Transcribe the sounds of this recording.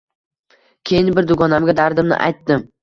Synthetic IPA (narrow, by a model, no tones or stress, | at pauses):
kʲʰe̞jɪnbɪɾd̪ʊɡɒnamɡʲad̪aɾd̪ɪmnɪ̰ʔa̰jt̪ːɪm